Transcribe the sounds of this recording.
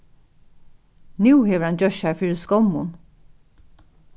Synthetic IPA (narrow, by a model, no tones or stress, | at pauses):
nuːheːʋəɾhɑnd͡ʒœʃhæːɹfyːɹəskɔmʊn